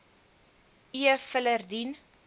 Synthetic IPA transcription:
iəfələrdin

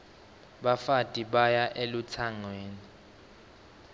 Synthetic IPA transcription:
ɓafatʼiɓajaʔelut͡sʰaŋweːni

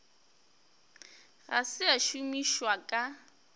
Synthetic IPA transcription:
ɣasɪaʃumiʃwakʼa

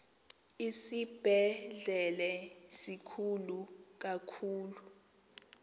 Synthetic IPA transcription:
isib̥ʱɛɮɛlɛsikʰuluk̬akʰuːlu

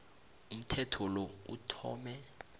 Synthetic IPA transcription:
um̩tʰɛtʰɔlɔṵtʰɔ̰ːmɛ

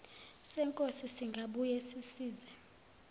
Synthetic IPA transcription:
sɛŋkʼosisiŋɡʱaɓujɛsisiːzɛ

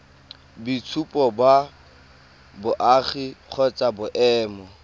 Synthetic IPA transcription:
bit͡sʰupʼɔba | bʊʔaːχiq͡χʰɔt͡sʼabʊʔɛːmɔ

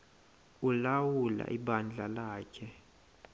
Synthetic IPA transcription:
ulawula̰ʔiɓand͡ɮʱalaːkʰɛ

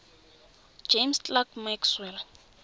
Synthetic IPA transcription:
d͡ʒemstʼlakmakswɛl

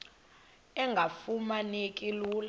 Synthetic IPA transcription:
ɛŋɡʱafumanekʼiluːl

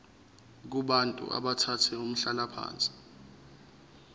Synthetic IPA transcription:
k̬uɓantʼṵʔa̰ɓatʰatʰɛum̩ɬalapʰa̰ːnt͡sʼi̥

